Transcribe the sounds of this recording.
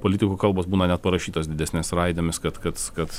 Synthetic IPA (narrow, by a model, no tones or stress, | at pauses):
poːlʲɪt̪ʲɪkuːkɐlˠboːsbuːnɐnʲɛt̪̚pɐɾɐʃʲiːt̪oːsd̪ʲɪd̪ʲæsʲnʲeːsɾɐɪd̪ʲomʲɪskɐt̪kɐt̪kɐt̪